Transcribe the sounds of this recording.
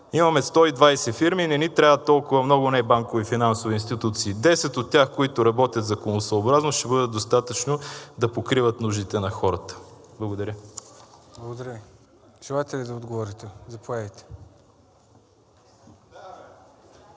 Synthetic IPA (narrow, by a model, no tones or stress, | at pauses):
imɐmɛst̪ɔid̪vajsɛfiɾminɛnit̪ɾʲavət̪ːɔlˠkʊvɐmnɔɡʊnɛbaŋkovifinansoviːnst̪it̪ut̪siːd̪ɛsɛt̪ot̪ːʲaxkoit̪ʊɾɐbɔt̪ʲjət̪zɐkonosɐobɾaznoʃt̪ɛbɤd̪əd̪ost̪at̪ət͡ʃnod̪ɐpokɾivət̪nuʒd̪it̪ɛnɐxɔɾət̪ə̥blˠɡod̪ɐɾʲə | blˠɡod̪ɐɾʲəvi | ʒ̥ɛlˠajt̪ɛlid̪ɐod̪ɡovɔɾit̪ɛzɐpoɛvɛjt̪ɛ̥